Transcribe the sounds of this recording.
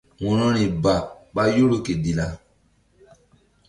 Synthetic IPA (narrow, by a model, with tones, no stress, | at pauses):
wɔ̃˨nɔ̃˦nĩ˨ba˨ɓa˦jo˦lo˨ke˨di˨la˨